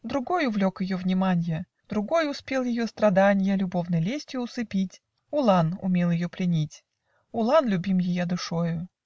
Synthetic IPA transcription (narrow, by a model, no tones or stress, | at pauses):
d̪ɾʊɡo̞jʊvlʲo̞kjɪjovnʲɪmanʲɪjə | d̪ɾʊɡo̞jʊspʲe̞lˠjɪjost̪ɾɐd̪anʲɪjəlʲʊbo̞vnɨjlʲesʲtʲjʊʊsɨpʲitʲ | ʊlˠanʊ̰mʲe̞lˠjɪjoplʲɪnʲitʲ | ʊlˠanlʲʊbʲimjɪjad̪ʊʂojʊ